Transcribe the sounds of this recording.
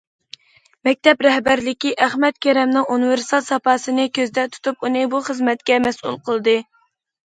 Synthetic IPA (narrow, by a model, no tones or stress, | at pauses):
mɛk̚ʲt̪ɛpɾɛhbæɾlɪkʲiʔæχmɛt̪̚kʲʰɛɾɛmnɨŋunɨvɪɾst̪ʰɑlˠsɑpɑsɨnɨkʲʰøzd̪ɛt̪ʰu̥t̪ʰupunɨbuχəzmɛt̪kʲɛmɛsṵlˠqʰəlˠɨd̪ɨ